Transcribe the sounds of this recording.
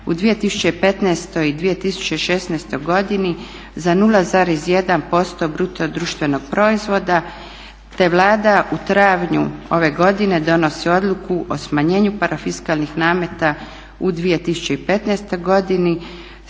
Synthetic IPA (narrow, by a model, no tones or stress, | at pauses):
ud̪ʋije̞t̪isu̥t͡ɕe̞ipe̞t̪nɛːst̪o̞id̪ʋije̞t̪isu̥t͡ɕe̞ʃe̞snɛːst̪o̞jɡo̞d̪ini | zanulˠazaɾizje̞d̪anpo̞st̪o̞bɾut̪od̪ɾuːʃt̪ʋe̞no̞ɡ̥̚pɾo̞izʋo̞d̪a | t̪e̞ʋlˠaːd̪aʔut̪ɾaʋɲṵo̞ʋe̞ɡo̞d̪ine̞d̪o̞no̞sio̞d̪lˠukuʔo̞smaɲe̞ːɲupaɾafiskalnixnaːme̞t̪a | ud̪ʋije̞t̪isu̥t͡ɕe̞ipe̞t̪neːst̪o̞jɡo̞d̪ini